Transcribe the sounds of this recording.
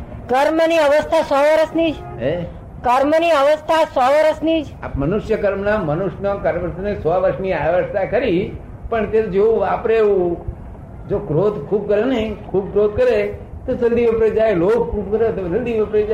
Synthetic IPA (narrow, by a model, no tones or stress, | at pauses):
kəɾmniəʋəst̪ʰasɔʋəɾəsnid͡ʒ | e | kəɾməniəʋəst̪ʰasɔʋəɾəsnid͡ʒ | a̰pmənʊʃjəkəɾmnamənʊʃnokəɾʋəɾsnesɔʋəɾʃniaʋəst̪ʰakəɾi | pəɳt̪ed͡ʒeũapɾeũ | d͡ʒokɾod̪kʰub̚kəɾenəɦikʰub̚kɾod̪̚kəɾe | t̪osəld̪iʋəpɾed͡ʒaeloɡ̚kʰubkəɾet̪od͡ʒəld̪iʋəpɾed͡ʒ